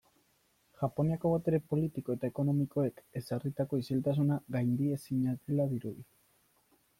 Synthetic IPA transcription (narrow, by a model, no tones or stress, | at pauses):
ʝapo̞niako̞βat̪e̞ɾe̞po̞lit̪iko̞e̞t̪aeko̞no̞miko̞e̞ke̞sarit̪ako̞isilt̪asunaɣajnd̪ie̞siɲaðelaðiɾuði